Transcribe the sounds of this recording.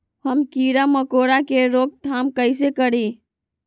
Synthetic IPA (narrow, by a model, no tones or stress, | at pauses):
həmkiɾaməkoɾakeɾok̚t̪ʰamkəɪs̬ekəɾi